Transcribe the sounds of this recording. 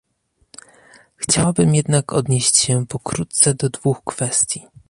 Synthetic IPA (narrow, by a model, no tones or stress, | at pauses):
xt͡ɕawabɘmjɛd̪nakʰɔ̰d̪ɲeɕt͡ɕɕɛpɔkɾut̪t̪sɛd̪ɔd̪vuxkfɛst̪ʲji